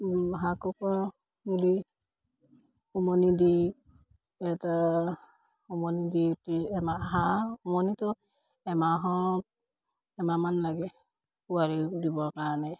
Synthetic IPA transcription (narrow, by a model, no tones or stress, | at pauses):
ɦakɔka | muli | umɔnidi | ɛta | umɔniditiɛmaɦaumɔnitɔ | ɛmaɦɔɔt̚ | ɛmamanlaɡɛ | uaɹidibɔɹkaɹɔnɛ